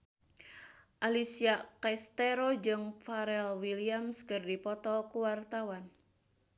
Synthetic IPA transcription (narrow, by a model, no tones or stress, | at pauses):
ʔalisiakɛst̪ɛɾod͡ʒɨŋfaɾɛlwiliamskɨrdipɔt̪ɔkuwart̪awan